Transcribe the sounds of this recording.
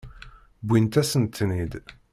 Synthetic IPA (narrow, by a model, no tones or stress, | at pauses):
bʷːint̪æsənt̪ːnid̪